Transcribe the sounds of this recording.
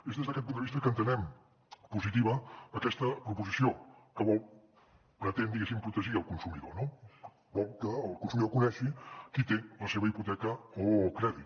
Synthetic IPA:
ezðezðəkɛt̪̚pund̪əβist̪əkənt̪ənɛm | puzit̪iβ̞əːkɛst̪əpɾupuzisiokəβɔlˠ | pɾət̪end̪iɣesimpɾut̪əʒiəlˠkunsumiðono | bɔlˠkəːlˠkuns̬umiðokunɛʃikit̪eləseβəiput̪ɛkəokɾɛðit̪

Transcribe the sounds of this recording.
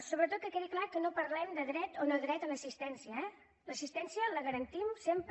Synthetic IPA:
soβɾət̪ot̪̚kəkeðiklakənopəɾlɛmd̪əðɾɛt̪onəðɾɛt̪ələsist̪ɛnsiəɛ | ləsist̪ɛnsiələɣəɾənt̪imsemp

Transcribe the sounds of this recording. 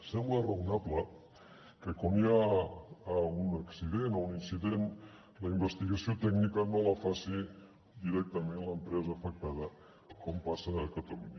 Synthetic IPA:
sɛmblərəunaplə | kəkomjaː | unəksiðenouninsiðen | ləimbəst̪iɣɐsiot̪ɛɡnikənoləfasi | d̪iɾɛk̚t̪əmenləmpɾɛzəːfək̚t̪aðə | kompasəðəkət̪əluɲa

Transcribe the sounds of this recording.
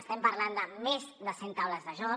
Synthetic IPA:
st̪ɛmpəɾland̪əmezd̪əsent̪awləzðəʒɔ

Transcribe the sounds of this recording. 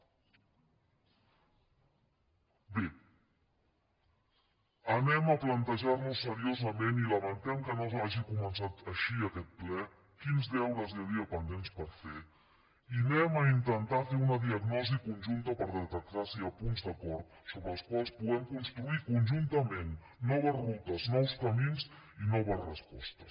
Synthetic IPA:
bi | ənɛməplənt̪əʒaɾnusːəɾiozəmeniləmənt̪ɛmkənozaʒikumənsat̪əʃiəkɛt̪̚plɛ | kinzd̪ɛwɾəziəðiəpənd̪enspəɾfe | inɛməint̪ənt̪afeunəðiəɡnɔzikunʲʒunt̪əpəɾðət̪ək̚t̪asiəpunzd̪əkɔɾt̪̚soβɾəlˠskwalˠspuɣɛmkunst̪ɾuikunʲʒunt̪əmenː | ɔβ̞əzrut̪əznɔwskəminzinɔβ̞əzrəspɔ̰st̪əs

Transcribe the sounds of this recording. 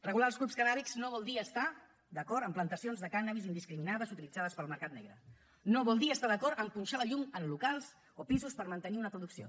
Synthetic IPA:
rəɣulalzɣɾupskəðaβikz̥noβɔlˠd̪iəst̪a | d̪əkɔɾəmplənt̪əsionzðəkanaβizind̪iskɾiminaðəzut̪ilid͡zað̞əspəlˠməɾkat̪nɛɣɾə | noβɔlˠd̪iəst̪aðəkɔɾəmpunʲʃaləʎumənlukalˠz | opizuspəɾmənt̪əniunəpɾuðuksio̰

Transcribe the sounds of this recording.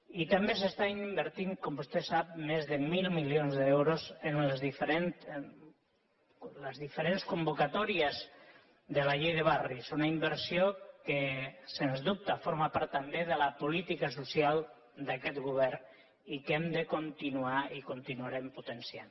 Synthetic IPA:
it̪ambes̬əst̪aimbəɾt̪iŋkɔmbust̪ɛsap̚mezðəmilˠmiljonzðɛwɾozenləzðifəɾent̪ | ləzðifəɾenskumbukat̪ɔɾiəz | ðəlaʎejðəβ̞arisunaimbəɾsiokəsenzðup̚t̪afoɾmapaɾt̪ːambeðəlapulit̪ikasusjalˠ | d̪akɛt̪ɣuβ̞ɛɾ | ikɛmd̪əkunt̪inuaikunt̪inuaɾɛmput̪ənsia̰n

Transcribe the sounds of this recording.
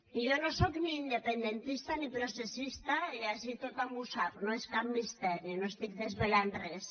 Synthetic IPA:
ijonosokniːnd̪epend̪ent̪ist̪anipɾosesist̪aiasit̪ot̪ambusaknoeskap̚mist̪ɛɾjonoest̪ik̚ðezβelanres

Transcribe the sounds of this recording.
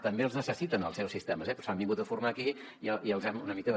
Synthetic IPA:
t̪əmbelznəsəsit̪ənəlˠsɛwsist̪ɛməzɛpɾɔsambiŋɡut̪əfurmaki | iəiəlˠzɛmunəmikəð

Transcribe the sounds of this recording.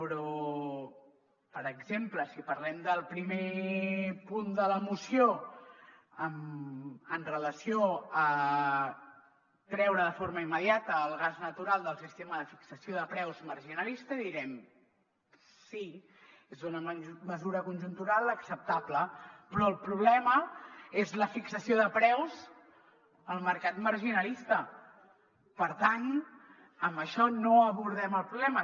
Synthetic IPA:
pɾɔ | pəɾəɡzempləsipəɾlɛmd̪əlˠpɾime | pund̪ələmusio | əm | ənrələsioə | t̪ɾɛwɾəðəfoɾməimːəðiat̪əːlˠɣaznət̪uɾalˠd̪əlˠsist̪eməðəfiksəsjoðəpɾɛwzmərʒinəlist̪əðiɾɛm | si | ezðunəməzuɾəkunʲʒunt̪uɾalˠəksəp̚t̪abləpɾɔːlˠpɾuβlɛməezləfiksəsioðəpɾɛwz | əlˠməɾkat̪məɾʒinəlist̪ə | pəɾt̪an | əmbəʃɔnoəβuɾðɛməlˠpɾuβlɛmə

